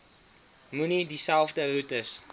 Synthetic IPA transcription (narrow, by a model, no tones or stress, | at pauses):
munidisælˠfdərutəs